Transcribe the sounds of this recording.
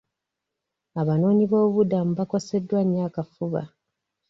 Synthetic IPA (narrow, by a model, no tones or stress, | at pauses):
aβano̞ːɲiβo̞ːβudamuβako̞se̞dːwaɲːaːkafuβa̰